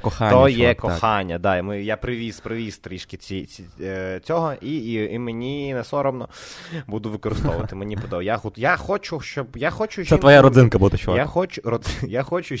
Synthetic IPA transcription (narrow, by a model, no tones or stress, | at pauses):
kɔxat̪ɔjɛkɔxɑnʲːɐd̪ɑimɪjapɾɪʋʲiz̥pɾɪʋʲist̪ɾʲiʃkɪt͡sʲiit͡sʲɔɦɔiimenʲinɛsɔɾɔmnɔbud̪ʊʋɪkɔɾɪst̪ɔʋʊʋɐt̪ɪmenʲipɔd̪ɔjaxt̪jaxɔt͡ʃʊʃt͡ʃɔbjaxɔt͡ʃʊʒʲsɛit̪ʋɔjaɾɔɪnkɐbud̪ɛʃt͡ʃjaxɔt͡ʃʊrɔd̪zjaxɔt͡ʃʊ